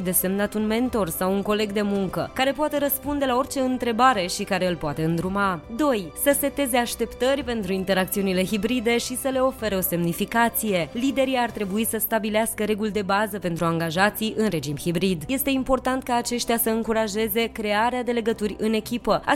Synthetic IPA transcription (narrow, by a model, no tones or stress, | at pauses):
d̪e̞se̞mnat̪unme̞nt̪o̞rsawuŋko̞le̞ɡd̪e̞muŋkə̰kaɾe̞poat̪e̞ɾəspund̪e̞lao̞rt͡ʃe̞ɨnt̪ɾe̞baɾe̞ʃikaɾe̞ɨlpoat̪e̞ɨnd̪ɾumad̪o̞jsəse̞t̪e̞ze̞aʃt̪e̞pt̪ərʲpe̞nt̪ɾuint̪e̞ɾak̚t̪siunile̞ɦibɾid̪e̞ʃisəle̞o̞fe̞ɾeo̞se̞mnifikat̪sije̞lid̪e̞ɾiart̪ɾe̞buisəst̪abileaskəɾe̞ɡuld̪e̞bazəpe̞nt̪ɾuaŋɡaʒat̪siʔɨnɾe̞d͡ʒimhibɾid̪je̞st̪eimpo̞rt̪ant̪̚kaːt͡ʃe̞ʃt̪ijasəɨŋkuɾaʒe̞ze̞kɾe̞aɾead̪e̞le̞ɡət̪urʲɨne̞kʲipəa